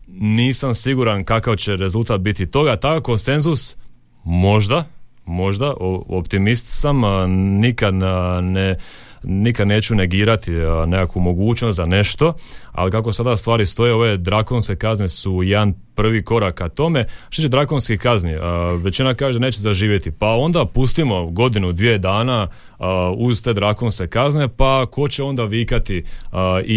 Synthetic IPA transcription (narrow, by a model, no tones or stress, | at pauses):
niːsamsiɡuɾankakaʋt͡ɕe̞ɾe̞zult̪aːt̪̚bit̪it̪o̞ɡat̪akako̞nse̞nzus | mo̞ʒd̪a | mo̞ʒd̪aʔoopt̪imist̪samnikad̪ne | nikad̪ne̞ːt͡ʃune̞ɡiːɾat̪ine̞kakʋumo̞ɡuːt͡ʃnost̪zane̞ʃt̪o̞a̰likak̬o̞sad̪ast̪ʋaːɾist̪o̞jeo̞ʋe̞d̪ɾako̞nske̞kaznesujed̪anpr̩ʋiko̞ɾakat̪o̞me̞t̪ot͡ɕt͡ʃed̪ɾako̞nskikazniʋet͡ɕinakaːʒed̪aneːt͡ɕt͡ʃezaʒiːʋjet̪ipao̞nd̪apust̪imo̞ɡo̞d̪inud̪ʋied̪aːna | uzt̪e̞ːd̪ɾako̞nskekazne̞pako̞t͡ɕeo̞nd̪aʋiːkat̪i | i